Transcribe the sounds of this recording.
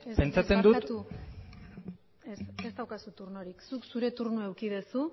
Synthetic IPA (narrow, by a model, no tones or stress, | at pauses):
espe̞nt͡sat͡se̞nd̪ut̪t̪u | esesd̪awkasut̪uɾnoɾiksuksuɾe̞t̪uɾnoe̞wkiðesu